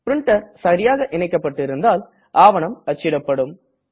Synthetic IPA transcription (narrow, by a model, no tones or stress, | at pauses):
pɾɪɳʈːɐɾsɐɾɪjaːɣɐʔɪnɐɪkːɐpːɐʈːɪɾɯnd̪aːl | ʔaːʋɐɳɐmɐt͡ʃːɪɽɐpːɐɽɯm